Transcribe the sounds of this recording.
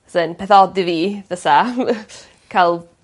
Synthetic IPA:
sənpʰɛθɔdɪðiːðəsa | kʰalˠ

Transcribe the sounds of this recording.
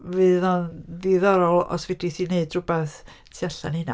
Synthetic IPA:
vɨðanðiðɔɾɔlˠɔ̰svɛdiθineɨdrubɛθ | tʰiaɬa̰nhɪna̰

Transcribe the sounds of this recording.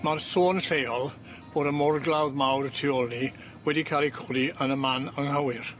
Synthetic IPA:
marsoːnɬejɔlˠ | b̥oːdəmɔrɡlˠawðmawrtʰɪɔlˠni | wɛdikʰalˠikʰʊliənəmanəŋhəwɪr

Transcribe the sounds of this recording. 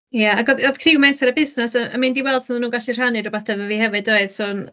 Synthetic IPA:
jaaɡɔðɔðkʰrɪwmɛntʰaɾəbɪsnɛsəəmɪndiwɛlˠd̥sunðnuːɡaɬir̥hanɨɾɔbaθɛvəviːhɛvɨdoɨð̥suːn

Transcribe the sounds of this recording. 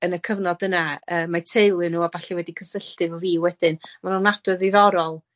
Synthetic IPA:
ənəkʰəvnɔd̥ənaəːmatʰejlˠɨnuːabaɬɛwɛdikʰənsəɬtɨvɔviːwɛd̥ɪnmanunad̥wɨðiðɔɾɔlˠ

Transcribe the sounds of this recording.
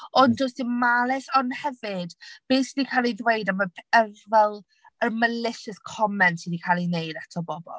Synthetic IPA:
ɔnd͡ʒʊstimalˠɪsɔnhɛvɨd̥b̥eːsdikʰalˠidwejdaməpʰəvɛlˠ | əməlɪʃəskʰɔmɛntʰidikʰalˠinejdatʰɔbɔbɔ̰lˠ

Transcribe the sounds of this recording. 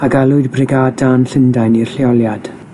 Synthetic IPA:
aɡalˠʊɨdbrɪɡaːdanɬəndajnirɬiɔlˠjad̥

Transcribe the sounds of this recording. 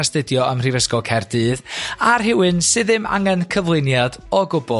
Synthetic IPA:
astɨdjɔəmr̥ivəskɔkʰɛrdɨːðarɦɪwɨnsɨðɨma̰ŋɛnkʰəvlˠɨnjadɔɡʊbɔ

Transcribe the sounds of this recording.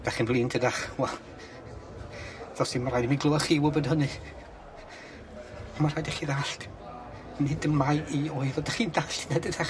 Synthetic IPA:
d̥aχinblˠiːntʰədaχwɛlˠ | ðɔsimaɾajdminɡlˠʊaχiwʊbɔdhənɨ | ɔmaraːjdaχiðaɬt | nidəmajioːɨðɔdaχindaɬtʰənadədaχ

